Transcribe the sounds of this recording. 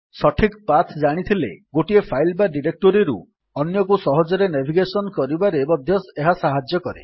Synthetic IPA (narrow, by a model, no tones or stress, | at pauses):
sɔʈʰikpat̪ʰd͡ʒaɽ̃it̪ʰilḛɡoʈiepʰajlbaɖiɾek̚ʈoɾiɾṵ | ɔnjɔkusɔɦɔd͡ʒɔɾenebʱiɡesɔnɔkɔɾibaɾebɔd̪ʱjɔseɦasaɦad͡ʒjɔkɔɾḛ